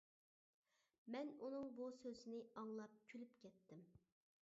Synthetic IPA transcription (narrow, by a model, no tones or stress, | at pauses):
mɛnunɨŋbusøzɪnɪɑŋlˠɑp̚kʲʰylypkʲʰɛt̪ʰːɪm